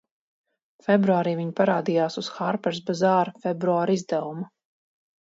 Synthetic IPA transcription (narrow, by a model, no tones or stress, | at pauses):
fɛbɾuaːɾiːviɲpaɾaːd̪ijaːsusxaɾpɛɾsbazaːɾfɛbɾuaːɾizd̪ɛvuma